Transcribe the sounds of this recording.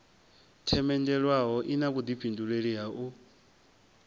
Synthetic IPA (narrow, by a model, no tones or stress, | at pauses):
tʰɛmɛndɛɺwaɦɔʔinaβud̪ipʰinduɺeɺiɦaʔu